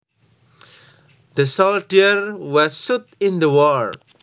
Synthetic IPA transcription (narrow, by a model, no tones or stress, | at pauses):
d̪̥əsɔlʈiəɾwɔzsut̪ɪ̃nd̪əwɔl